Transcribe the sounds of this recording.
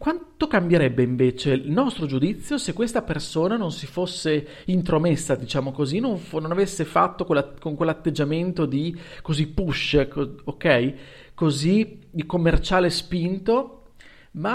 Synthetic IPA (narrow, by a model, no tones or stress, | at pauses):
kwant̪okambjeɾɛbːeiɱveːt͡ʃelnɔst̪ɾod͡ʒud̪it̪sːjosekːwest̪apersoːnanonsifosːe | int̪ɾomesːad̪it͡ʃaːmokozinoɱfnonavesːefa̰t̪ːokelakoŋkwelːat̪ːed͡ʒːament̪od̪ikozipːuʃːekookɛj | kozid̪ikomːert͡ʃaːlespint̪o | ma